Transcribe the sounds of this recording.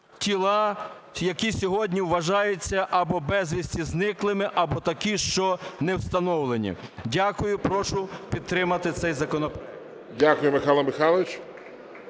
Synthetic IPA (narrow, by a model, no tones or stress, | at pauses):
tʲilˠɑ | jɐkʲisʲɔɦɔdʲnʲiwʋɐʒɑjet͡sʲːɐʔɐbɔbɛzʲʋʲisʲtʲiznɪklˠɪmɪʔɐbɔt̪ɐkʲiʃt͡ʃɔnɛwst̪ɐnɔwlˠenʲḭdʲakʊjʊpɾɔʃʊpʲid̪̚t̪ɾɪmɐt̪ɪt̪sɛjzɐkɔnɔpɾa | dʲakʊjʊmɪxɑlˠɐmɪxɑlˠʋɪt͡ʃ